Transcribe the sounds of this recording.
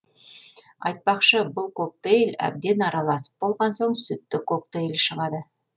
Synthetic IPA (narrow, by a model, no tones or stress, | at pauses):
ɑjt̪̚pɑqʃəbʊlˠko̞k̚t̪ejlæ̰b̚d̪e̞nɑɾɑlˠɑsə̥p̚bo̞lˠʁɑnsoɴsʏt̪ːɪkok̚t̪ejlʃəʁɑd̪ə